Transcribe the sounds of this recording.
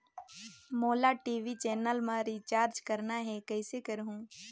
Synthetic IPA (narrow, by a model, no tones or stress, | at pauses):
moːlaʈiːʋit͡ʃɛːnəlmãɾiːt͡ʃaːɾd͡ʒkɐɾnaɦɛkɐɪsekɐɾɦũː